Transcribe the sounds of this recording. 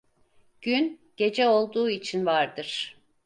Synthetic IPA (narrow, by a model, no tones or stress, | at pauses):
ɟ̥ynɟ̥e̞d͡ʒɛo̞lˠd̪uːit͡ʃʰinvaɾd̪ɯɾ̥